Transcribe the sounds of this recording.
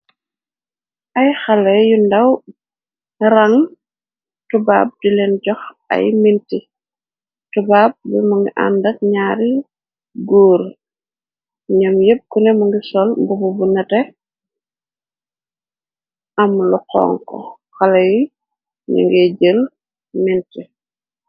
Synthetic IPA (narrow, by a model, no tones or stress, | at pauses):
ʔɐjxɐlɐjundɐw | ɾɐŋ | tuba̰ːb̚dilɛnɟɔx | ɐ̰jminti | tubaːb̚bɛmuŋɡiʔa̰ndɐk̚ɲaːɾi | ɡuːɾ | ɲɐmjep̚kunɛmuŋɡisɔlmbububunɐtɛ | ʔɐmluqɔ̰ːŋkɔ̰ | xɐlɐji | ɲṵŋɡeɟəl | minti